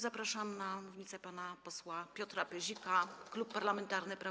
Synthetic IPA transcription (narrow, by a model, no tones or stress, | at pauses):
zapɾaʂamnamuvɲit̪sɛpanapɔswapʲjɔt̪ɾapɛʑikaklupːaɾlamɛnt̪aɾnɘpɾa